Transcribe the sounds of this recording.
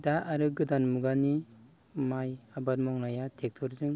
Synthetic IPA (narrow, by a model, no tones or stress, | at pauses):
daʔaɾɯɡɯdanmuɡani | majabaɾmɔŋnajatʰek̚tʰɔɾzɯŋ